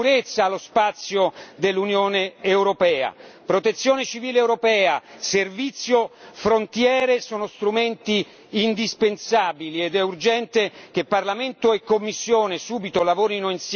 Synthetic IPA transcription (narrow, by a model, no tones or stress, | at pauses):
uɾet̪sːaːlːospat̪sːjod̪elːunjoːneːwɾopɛːa̰pɾot̪et̪sːjoːnet͡ʃiviːleːwɾopɛːaservit̪sːjofɾont̪jɛːɾesɔːnost̪ɾument̪iː | nd̪ispensaːbilied̪ɛurd͡ʒɛnt̪ek̟epːarlament̪oekːomːisːjoːnesuːbit̪olavoːɾinoins